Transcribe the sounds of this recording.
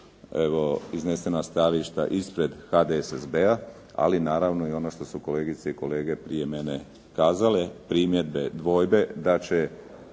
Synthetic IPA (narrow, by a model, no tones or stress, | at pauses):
eʋo̞iznese̞nast̪aliʃt̪a̰ʔispɾe̞d̪xad̪esezbea | a̰linaːɾaʋnoio̞noʃt̪o̞suko̞le̞ːɡit̪seiko̞le̞ːɡe̞pɾije̞me̞ne | kaːzale̞pɾiːmje̞d̪be̞d̪ʋo̞jbe̞d̪at͡ɕe